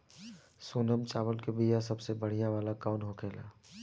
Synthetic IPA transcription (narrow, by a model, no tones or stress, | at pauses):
suːnəmt͡ʃaːʋəlkebijãsɐbsebəɽ̤ijãʋaːlakaʊnɦoːkʰeːla̰ː